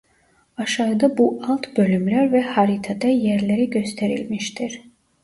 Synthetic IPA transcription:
ɑʃɑɯd̪abuʔɑlˠt̪bø̞lymlæɾvɛhɑɾit̪ʰɑd̪ɑjɛɾleɾiɟø̞st̪ʰeɾḭlmiʃt̪ʰiɾ̥

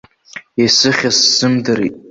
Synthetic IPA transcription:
asɨχʲasːɨmdɨɾitʼ

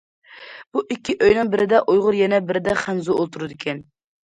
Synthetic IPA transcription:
b̥uʔikʲʰːiʔøjnɨŋbɪɾɪd̪ɛʔojʁʊɾjɛnɛbɪɾɪd̪ɛχænzuolˠt̪ʰuɾɨd̪ɪkʲʰɛn

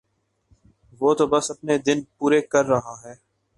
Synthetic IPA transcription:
ʋoːt̪obɐsɐpned̪ɪnpuːɾekɐɾːɐɦaɦɛː

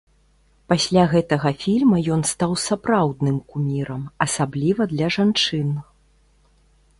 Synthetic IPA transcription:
pasʲlʲaɣɛt̪ɐɣɐfʲilʲmɐjɔnst̪awsapɾawd̪nɨmkumʲiɾɐmɐsablʲivɐd̪lʲɐʐant͡ʂɨn

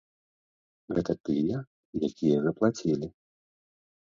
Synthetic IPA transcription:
ɣɛt̪ɐt̪ɨjɛ | jakʲijɐzɐplˠat͡sʲilʲi

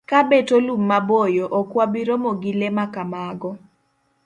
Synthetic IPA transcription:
kabetolumːabojoʔɔkwabiɾomoɡilemakamaɡɔ

